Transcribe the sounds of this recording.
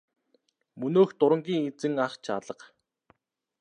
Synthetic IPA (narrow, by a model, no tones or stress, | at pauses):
mɵnoːxt̪ʊɾə̆ŋɡʲiːŋet͡sɘ̆ŋaχt͡ɕʰa̰ɮə̆q